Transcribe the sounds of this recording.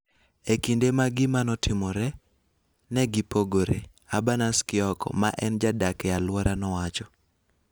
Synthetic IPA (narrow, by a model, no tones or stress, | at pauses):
ekindemaɡɪmanɔtʰɪmɔɾɛ | nɛɡɪpoɡoɾḛ | abanaskɪɔkɔ̰maʔɛnd͡ʒadakɛalwɔɾanɔwat͡ʃɔ